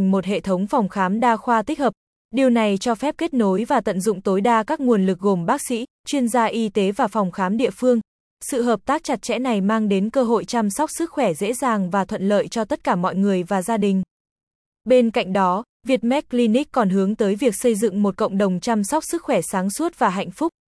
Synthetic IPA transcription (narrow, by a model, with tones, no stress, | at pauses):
ŋ̟mo˨˩t̚hḛ˧˨t̪ʰə˨˦wŋ͡mfa˨˩wŋ͡mxaː˨˦mɗaː˧xwaː˧t̪i˦˥k̟̚həː˨˩p̚ | ɗi˨˩əwna˨˩jt͡ɕɔ˧fɛ˦˥p̚ke˦˥t̚no˨˦jvaː˨˩t̪ə̰˧˨nzʊ̰˧˨ŋ͡mt̪o˨˦jɗaː˧kaː˦˥k̚ŋu˨˩ənlɨ˨˩k̚ɣo˨˩mɓaː˦˥k̚sḭ˧˥ | t͡ɕwi˧ənzaː˧ʔi˧t̪e˨˦vaː˨˩fa˨˩wŋ͡mxaː˨˦mɗḭ˧˨əfɨ˧əŋ | sɨ̰˧˨ɦəː˨˩p̚t̪aː˦˥k̚t͡ɕa˨˩t̚t͡ɕɛ̰˧˥na˨˩jmaː˧ŋɗe˨˦nkəː˧ɦo̰˧˨jt͡ɕa˧msa˦˥k͡p̚sɨ˦˥k̚xwɛ˧˩zḛ˧˥zaː˨˩ŋvaː˨˩t̪ʰwə̰˧˨nlə̰ː˧˨jt͡ɕɔ˧t̪ə˦˥t̚kaː˧˩mɔ̰˧˨jŋɨ˨˩əjvaː˨˩zaː˧ɗï˨˩ŋ̟ | ɓe˧nka̰˧˨jŋ̟ɗɔ˨˦ | vi˨˩ət̚mɛ˦˥k̚li˧ni˦˥k̚kɔ˨˩nɦɨ˨˦əŋt̪əː˨˦jvi˨˩ək̚sə˧jzɨ̰˧˨ŋmo˨˩t̚kə̰˧˨wŋ͡mɗə˨˩wŋ͡mt͡ɕa˧msa˦˥wk͡p̚sɨ˦˥k̚xwɛ˧˩saː˨˦ŋsu˦˥ət̚vaː˨˩ɦa̰˧˨jŋ̟fʊ˦˥k͡p̚